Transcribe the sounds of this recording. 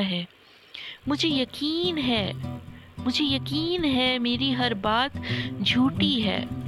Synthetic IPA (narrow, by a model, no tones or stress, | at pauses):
ɦɛː | mʊd͡ʒʱejɐkiːnɦɛː | mʊd͡ʒʱejɐkiːnɦɛmeːɾiɦɐɾbaːt̪d͡ʒʱuːʈiɦɛ̰ː